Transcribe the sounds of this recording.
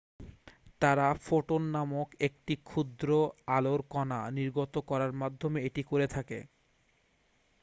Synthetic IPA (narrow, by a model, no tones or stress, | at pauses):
t̪aɾafoʈonːamokek̚ʈikʰud̪ɾoaloɾkɔna̰niɾɡot̪okɔɾaɾmad̪ʱːomeeʈikoɾet̪ʰakḛ